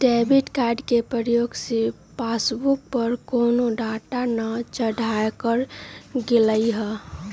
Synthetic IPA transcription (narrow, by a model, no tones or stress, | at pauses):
ɖebiʈkaɖkepɾəɾjoɡse | pasbuk̚pəɾkoːnoɖaʈanət͡ʃəɽʱajkəɾɡeləiɦɛ